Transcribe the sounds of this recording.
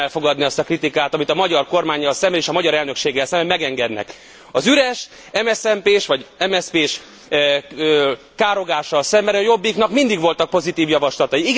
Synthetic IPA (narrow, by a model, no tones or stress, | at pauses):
ɛlfo̞ɡɒd̪niɒst̪ɒkrit̪ikaːt̪ɒmit̪ɒmɒɟɒrko̞rmaːɲːɒlsɛmbɛeːʃɒmɒɟɒɾɛlnø̞kʃeːɡːɛlsɛmbɛmɛɡɛŋɡɛd̪nɛ̰k | ɒzyɾɛʃ | ɛmɛsɛmpeːʃʋɒɟɛmɛspeːʃ | ø | kaːɾo̞ɡaːʃːɒlsɛmbɛɾɛjo̞bːiknɒkmind̪iɡʋo̞lt̪ɒk̚po̞zit̪iːvjɒvɒʃlɒt̪ɒjiiɡ